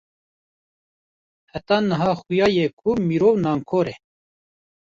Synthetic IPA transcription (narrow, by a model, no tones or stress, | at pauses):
hæt̪ɑːnəɦɑːxujɑːjɛkʰumiɾoːwnɑːŋkʰoːɾɛ